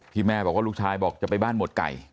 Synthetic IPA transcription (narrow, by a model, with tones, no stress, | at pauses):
t̪ʰiː˧mːɛː˥˩bɔː˨˩kwaː˥luː˥˩k̚t͡ɕʰaː˧jbɔː˨˩k̚t͡ɕa˨˩pa˧jbaː˥˩nmo˨˩t̪̚ka̰˨˩j